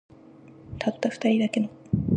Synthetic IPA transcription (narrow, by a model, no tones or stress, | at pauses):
t̪ʰat̪ːaɸɯ̟̥t̪aɾʲid̪ake̞no